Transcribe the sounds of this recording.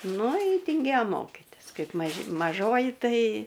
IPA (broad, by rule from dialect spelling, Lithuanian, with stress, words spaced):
ˈnʊ ˈjɪ tʲɪŋʲˈɡʲeːjoː ˈmoːkʲɪtʲɪs ˈkɐɪp mɐˈʒʲɪ mɐˈʒoːjɪ ˈtɐɪ